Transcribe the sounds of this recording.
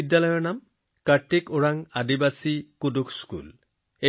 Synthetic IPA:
idːalɔjɔɹnam | katːekoɹaŋadibasikudukskṵl | e

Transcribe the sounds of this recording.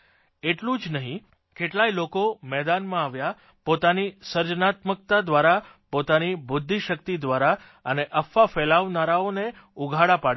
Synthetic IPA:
eʈlũd͡ʒnəɦĩ | keʈlailokomɛd̪anmãaʋja | pot̪anisəɾd͡ʒənat̪mək̚t̪ad̪ʋaɾa | pot̪anibʊd̪ʱːiʃəkt̪id̪ʋaɾa | əneʔəfafɛlaʋnaɾaone | uɡʱaɽapaɽ

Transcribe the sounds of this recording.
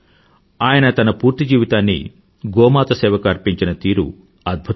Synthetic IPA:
aːjɐnɐt̪ɐnɐpuːɾt̪id͡ʒiːʋit̪aːnːḭ | ɡɔːmaːt̪ɐsɛːʋɐkɐɾpiɲt͡ʃinɐt̪iːɾṵ | ɐd̪̚bʱu

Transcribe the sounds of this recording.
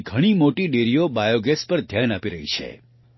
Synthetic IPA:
ɡʱəɽ̃imoʈiɖeɾijobajoɡespəɾd̪ʱjanapiɾəɦit͡ʃʰḛ

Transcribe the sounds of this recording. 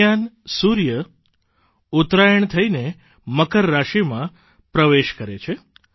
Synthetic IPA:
an | suɾjə | ut̪ɾajəɳt̪ʰəine | məkəɾːaʃimã | pɾəʋeʃkəɾet͡ʃʰe

